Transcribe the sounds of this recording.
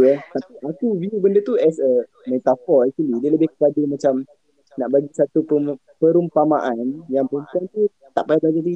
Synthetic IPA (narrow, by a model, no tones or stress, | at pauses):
jat̪apiʔakuviubəndət̪uɛsə | mɛt̪afɔɾɛk̚t͡ʃwalidiələbɪhkəkadumãt͡ʃam | naʔbaɡisat̪upə | pəɾumpama̰ʔanjaŋpəɾumpuant̪u | t̪a̰ʔpablad͡ʒat̪̬i